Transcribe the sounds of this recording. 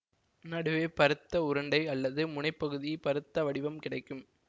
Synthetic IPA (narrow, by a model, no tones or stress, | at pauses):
nɐɽɯʋeːpɐɾɯt̪ːɐʊɾɐɳɖɐɪɐlːɐðɯmʊɳɐɪpːɐɣɯðipɐɾɯt̪ːɐʋɐɽɪʋɐmkɪɽɐɪkːɯm